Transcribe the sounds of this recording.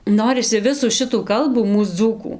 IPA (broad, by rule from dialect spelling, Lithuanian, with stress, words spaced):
ˈnoːrʲɪsʲɪ ˈʋʲɪsuː ˈʃʲɪtuː ˈkɐlˠbuː ˈmuːs ˈd͡zuːkuː